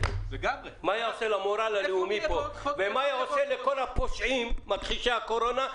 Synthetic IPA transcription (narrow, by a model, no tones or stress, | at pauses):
m | maːjaoselamoɾalaleumipovemajaoseleko̞lhapoʃʔimːat̪χiʃaakoɾo̞na